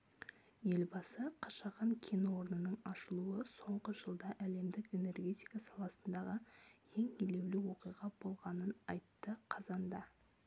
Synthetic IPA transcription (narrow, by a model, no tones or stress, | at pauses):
je̞lbɑsəqʰɑʃɑʁɑŋkʲʰenwo̞ɾnənəɴɑʃəlˠuəso̞ɴʁəʒəlˠd̪ɑʔæle̞md̪ɪke̞ne̞rɡʲe̞t̪ʲijkɑsɑlˠɑsənd̪ɑʁəje̞ŋele̞wlɪwo̞qijʁɑbo̞lˠʁɑnənɑjt̪ːəqʰɑzɑnd̪ɑ